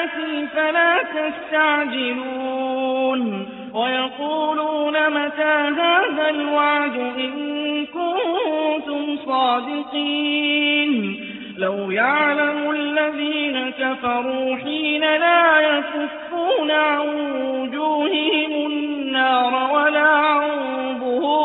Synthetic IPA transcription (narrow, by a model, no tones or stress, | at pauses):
t̪iːfalaːt̪ast̪aʕd͡ʒɪluːn | wajɑquːluːnamat̪aːɦaːðalwaʕd̪ʊʔɪnkʊnnnt̪ʊmsˤɑːd̪ɪqiːn | lawjaʕʕlamʊʔalːaðiːnakafɑɾˤuːħiːnalaːjasʊfːuːnʕanwʊd͡ʒuːhɪhɪmʊnːɑːɾˤwalaːʕʊbʊ